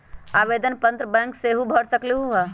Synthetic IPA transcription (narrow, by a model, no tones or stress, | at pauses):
abed̪ənpə̃nt̪ɾəbɛ̃ːŋkseɦubʱəɽsəkliɦua